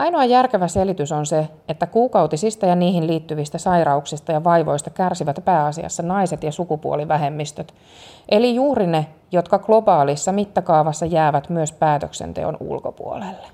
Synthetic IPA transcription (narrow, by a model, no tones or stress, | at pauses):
ɑjnoɑjærkeʋæselit̪ysonse | et̪ːækuːkɑut̪isist̪ɑjɑniːhinlliːt̪ːyʋist̪æsɑjrɑuksist̪ɑjɑʋɑjʋo̞ist̪ɑkærsiʋæt̪pæːɑsiɑ̰sːɑnɑiset̪jɑsukupuoliʋæɦe̞mːist̪øt̪ | ʔelijuːɾinejot̪kɑɡ̥lo̞bɑːlisːɑmit̪ːækɑːʋɑsːɑjæːʋæt̪myøspæːt̪øksḛnt̪ḛo̰nṵlkopṵo̰lelːe